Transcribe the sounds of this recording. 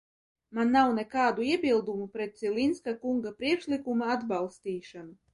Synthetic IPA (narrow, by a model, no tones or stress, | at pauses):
manːawnɛkaːd̪uiɛbʲilˠd̪umupɾɛt̪̚silʲinskakuŋɡapɾiɛkʃlʲikumaad̪balˠst̪iːʃanu